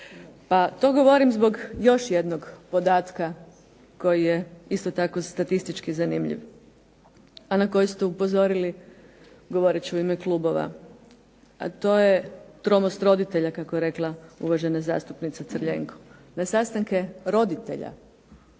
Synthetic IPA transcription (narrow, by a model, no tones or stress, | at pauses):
pat̪o̞ɡo̞ʋo̞ɾimzbo̞ɡjo̞ʃje̞d̪no̞ɡpo̞d̪aːt̪ka | ko̞jijeist̪ot̪ako̞st̪at̪ist̪it͡ʃkizanimʎḭʋ | anako̞jist̪eupo̞zo̞ɾili | ɡo̞ʋo̞ɾet͡ɕiuimeklˠuːbo̞ʋa̰ | a̰t̪o̞jet̪ɾo̞most̪ɾo̞d̪it̪e̞ʎakakojeɾe̞klˠaṵʋaʒe̞naza̰ːst̪upnit̪sat̪srʎḛŋkʰo̥nasast̪aŋke̞ɾo̞d̪it̪e̞̰ʎa̰